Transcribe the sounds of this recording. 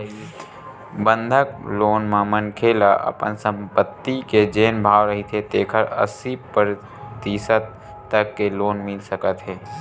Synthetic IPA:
bə̃nd̪ʱək̚loːnmãmənkʰeːlaʔɐ̰pə̰nsə̃mpət̪ːiked͡ʒeːnbʱaːʋɾəɦit̪ʰet̪eːkʰəɾə̰sipəɾ | t̪iːsət̪ː | əkːeloːnmɪlsəkət̪ɦɛː

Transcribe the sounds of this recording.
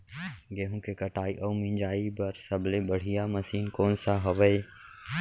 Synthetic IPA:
ɡeːɦõkekɐʈaːiʔɐumĩnd͡ʒaːibɐɾsɐblebɐɽ̤ijamɐsiːnkɔːnsaɦɐʋəe

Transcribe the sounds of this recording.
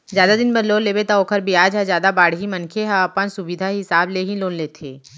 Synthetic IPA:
zjaːd̪ad̪ɪnbɐɾloːnleːbet̪aoːkʰəɾbʱiaːd͡ʒɦə̃zjaːd̪abaːɽ̤ɦimɐnkʰeɦãɐpənsʊbɪd̪ʱaɦɪsaːbleɦĩloːnleːt̪ʰḛː

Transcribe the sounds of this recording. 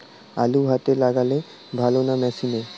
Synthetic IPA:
a̰luɦat̪elaɡale | bʱalonamɛʃine

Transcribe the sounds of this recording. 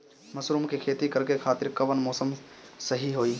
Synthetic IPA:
məsɾuːmkekʰeːt̪ikəɾkekʰaːt̪ɪɾkəʋənmɔːsəmsəɦiɦoːiː

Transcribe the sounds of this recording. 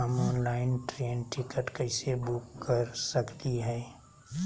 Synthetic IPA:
əmɔːnlaːɪnʈɾeːnʈɪkəʈkəɪsebʊkːəɾsəkt̪iɦɛː

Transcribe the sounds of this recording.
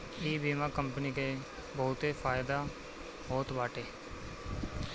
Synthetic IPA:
iːbiːmãːkəmpənike | bəɦʊt̪efʰaːɪd̪a | ɦoːt̪ʋaːʈeː

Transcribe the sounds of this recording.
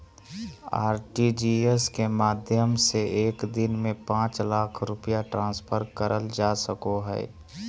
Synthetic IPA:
a̰ːɾʈid͡ʒieskemaːd̪ʱjəmseʔeːkd̪ɪnmẽpãːt͡ʃlaːkʰɾʊpijaʈɾãːspʰəɾkəɾʔəld͡ʒasəkoɦɛ̰ː

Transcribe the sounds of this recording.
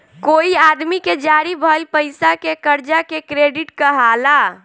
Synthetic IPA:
koiad̪miked͡ʒaɾibʱəlpəɪjsakekəɾd͡ʒakekɾeɖiʈkəɦala

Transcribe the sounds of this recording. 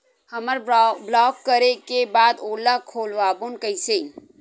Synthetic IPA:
hɐməɾblɔːkːəɾekebaːd̪oːlakʰoːlʋaːbonkəɪse

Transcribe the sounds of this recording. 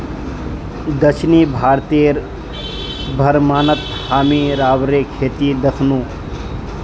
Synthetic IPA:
d̪ɐʃʰniːbʱaːɾt̪iːɾ | bʱɐɾmaːnət̪haːmiɾaːʋɾekʰeːt̪id̪ɐkʰnũː

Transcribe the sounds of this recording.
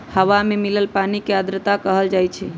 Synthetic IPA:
həʋamemiləlpanikeəd̪ɾət̪akəɦəld͡ʒajt͡ʃʰɛ

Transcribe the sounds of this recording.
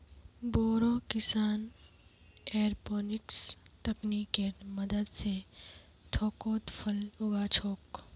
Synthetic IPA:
boːɾoːkɪsaːn | eːɾboːnɪkst̪ɐkniːkːemɐd̪əd̪se | t̪ʰoːkoːt̪fʰɐlʊɡat͡ʃʰoːk

